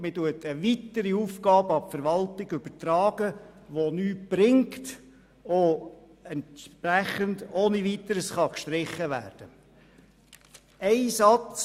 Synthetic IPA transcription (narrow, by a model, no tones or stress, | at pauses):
mɪtuətəʋitəɾiuːfkɑːbəɑpfɛɾʋɑltɪɡʏb̥ətɾɑːɡ̥əʋonyːtb̥ɾɪŋkt | o | ɛntʃpɾæχəndoːniʋitəɾəsχɑkʃtɾɪχːəʋæ̰ːɾd̥ə | ɛɪsɑt͡s